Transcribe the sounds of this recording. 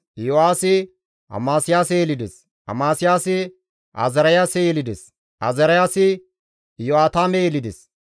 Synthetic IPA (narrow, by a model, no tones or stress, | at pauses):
joaːsɪ | ʔɐ̰maːsɪjaːsɛjɛlɪd̪ɛs | ɐ̰maːsɪjaːsɪ | ʔɐ̰zɐɾɐjaːsɛjɛlɪd̪ɛs | ʔɐ̰zɐɾɐjaːsɪ | joaːt̪aːmɛjɛlɪd̪ɛs